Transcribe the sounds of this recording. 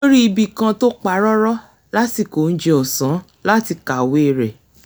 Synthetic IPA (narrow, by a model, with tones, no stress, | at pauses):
o˦ɾi˦i˧bi˨kã˧to˦k͡pa˨˦ɾɔ˦ɾɔ˦ | la˦ti˧˨ko˨n̩˦d͡ʒe˧ɔ˨sã˨˦ | la˦ti˧ka˨we˨˦˨ɾɛ˨